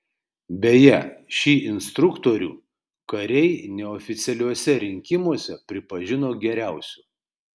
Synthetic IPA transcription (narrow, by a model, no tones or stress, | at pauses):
bʲɛjɛʃʲiːʔɪnst̪ɾʊkt̪oːɾʲṵː | kɐɾʲɛɪnʲɛɔːfʲɪt̪sʲɛlʲuɔsʲɛɾʲɪŋʲkʲɪmuɔsʲɛpʲɾʲɪpɐʒʲɪnoːɡʲɛɾʲæˑʊsʲuː